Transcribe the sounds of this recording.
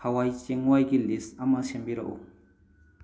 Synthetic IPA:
awajt͡ʃeŋwajɡilisamːasembiɾa̰ʔo̰

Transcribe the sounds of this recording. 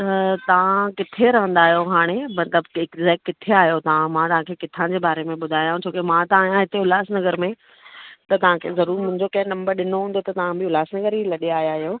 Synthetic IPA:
t̪ɐt̪ɐʋ̤ãkɪt̪ʰeɾɐʋə̃nd̪aːɦijoɦaːɽ̃emɐt̪ləbɪkzɛːkkːɪt̪ʰeaːɦijot̪ɐʋãmãt̪ɐʋ̤ãkʰeːkɪt̪ʰãd͡ʑeːbaːɾemẽɓʊd̪ʱaːjãũt͡ɕʰoːkemãt̪ɐʋaːɦjãɦɪt̪eʊlaːsnɐɡəɾmẽ | t̪ɐt̪ɐʋ̤ãkʰḛzɐɾuːɾmʊ̃ɦɪ̃ɲd͡ʑokɐ̃ɦɪ̃nɐ̃mbəɾɗɪnoɦũːn̆d̪ot̪ɐt̪ɐʋ̤ãbɪʊlaːsnɐɡəɾɦilɐɗiaːɦijaːɦijo

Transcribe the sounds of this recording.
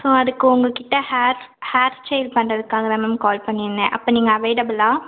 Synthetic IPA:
soːɐðɯkːɯʊŋɡɐkɪʈːɐhaːɾhaːɾst͡ʃejlpɐɳrɐðɯkːaːɡɐɾɐmɐmkɔːlpɐɳːɪnːɛ̃ʔɐpːɐːniːŋɡɐɐʋeɪɽɐbɯlaː

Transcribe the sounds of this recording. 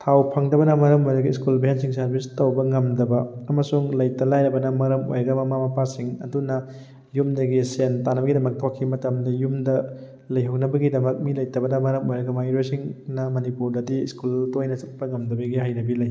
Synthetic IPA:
tʰawpʰɐŋdɐbɐnɐmɐɾɐmojɾɐɡɐiskulbiɦensiŋsɐɾbistowbɐŋɐmdɐbɐɐmɐsuŋlɐjtɐlajɾɐbɐnɐmɐɾɐmo̰jɾɐɡɐmɐmamɐpasiŋɐdunɐ | jumdɐɡisentanɐbɐɡidɐmɐk̚tʰokʰːimɐtɐmdɐjumdɐ | lɐjɦɐwnɐbɐɡidɐmɐk̚milɐjtɐbɐnɐmɐɾɐmojɾɐɡɐmajɾosiŋnɐmɐnipuɾdɐdiskultojnɐt͡ʃɐt̚pɐŋɐmdɐbɐɡihajnɐbilɐj

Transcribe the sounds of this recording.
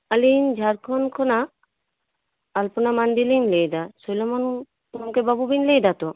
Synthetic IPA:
alind͡ʒʱaɾkʰɔnkʰɔna | lpunamand̪ilinlejd̪asojlɔman | mkebabubinlejd̪at̪ɔ

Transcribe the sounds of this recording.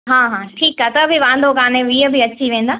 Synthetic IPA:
ɦãːɦãːʈʰiːkaːt̪ɐbʱɪʋãːnd̪ʱokãːnẽʋiːəbɪɐt͡ɕiʋẽːnd̪aː

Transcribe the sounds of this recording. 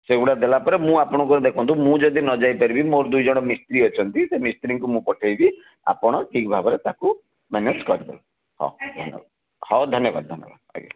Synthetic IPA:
seɡuɽad̪elapɔɾemũapɔɽ̃ɔŋkuɾed̪ekʰɔnt̪umũd͡ʒɔd̪ʱinɔd͡ʒajpaɾibimoɾd̪ujd͡ʒɔɽ̃ɔmist̪ɾiɔt͡ʃʰɔnt̪isemist̪ɾiŋkumũpɔʈʰajbi | a̰pɔɽ̃ɔʈʰikbʱabɔɾet̪aku | mɛned͡ʒkɔɾib̪ḛlɔ | hɔ̰d̪ʱɔnjɔ̰bad̪ | hɔd̪ʱɔnjɔba̰d̪̚d̪ʱɔnjɔ̰ba̰d̪a̰kḛ

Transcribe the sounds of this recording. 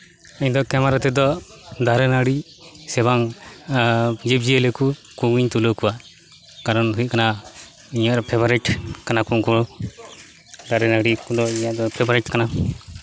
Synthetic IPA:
əɲd̪ɔkɛmaɾat̪ɛd̪ɔ | d̪aɾɛnaɽi | sɛbaŋ | d͡ʒib̚d͡ʒijelɛku | kuɡiɲt̪ulokuwa | kaɾɔnɦujkana | iɲaɾɔpʰɛbɔɾɛʈkanakuŋkuɔ | d̪aɾɛnaɽikud̪ɔiɲaʔd̪ɔpʰebɔɾɛʈkana

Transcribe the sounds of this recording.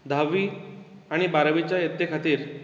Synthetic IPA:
d̪ʱaʋiː | aɽ̃ibaɾəʋit͡ɕjajet̪ːekʰat̪iːɾ

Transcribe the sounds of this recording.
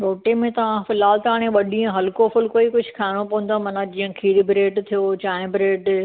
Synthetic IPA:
ɾoːʈemẽt̪ɐʋ̤ãfɪlaːlt̪aːɽ̃ẽʋɐɗiə̃ɦɐlkofʊlkoːikʊd͡ʑʱʊkʰaːɪɽ̃opɐʋʊ̃nd̪amɐnad͡ʑĩːə̃kʰiːlɪbɾeːʈt̪ʰijot͡ɕãːɪ̃bɾeːʈ

